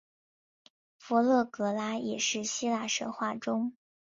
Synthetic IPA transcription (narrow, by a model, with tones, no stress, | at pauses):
fɔ˧˥lɤ˥˩kɤ˧˥la˥jɛ̰˨˩ʂɻ̩˥˩ɕi˥la˥˩ʂə̰˧˥xwa˥˩ʈ͡ʂʊ˥ŋ